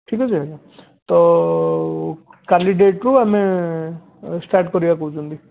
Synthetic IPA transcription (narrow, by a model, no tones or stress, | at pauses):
ʈʰikɔsʰiɦad͡ʒa | t̪ɔ | kanɖiɖeʈɾuame | sʈaɾʈkɔɾibakɔt͡ʃũnd̪i